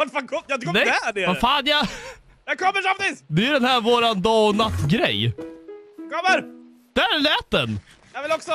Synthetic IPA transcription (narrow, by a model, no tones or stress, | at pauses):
vaʈfaːnkʰɔjɑt̪ʏkkɔd̪ɛɖɛvafaːnja | jakʰɔmːəsafd̪ɪsd̪ɛjɵd̪ɛnhæɾvoːɾand̪ɑːɔnat̪ːɡɾɛ̰j | kʰɔmːəɾ | d̪̥æɾlɛːt̪̚d̪ɛn | jɑvɪlɔksɔ